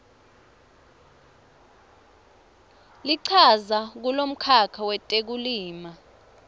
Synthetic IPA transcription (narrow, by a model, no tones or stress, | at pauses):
liǀʰazak̬ulom̩kʰakʰawɛtʼek̬uliːma